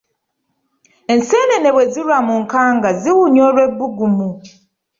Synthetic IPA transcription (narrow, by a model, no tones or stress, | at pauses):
e̞nseːnene̞βwe̞ziɾwamuŋkaːŋɡaziwuɲoːɾwe̞bːuɡumu